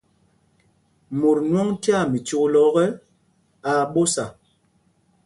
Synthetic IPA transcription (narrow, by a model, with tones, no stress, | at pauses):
mu˨ɾnwɔ˦ŋti˦a˦˨mi˨t͡ʃo˦lɔ˦ɣɛ˦ | a˨ɓo˦sa˨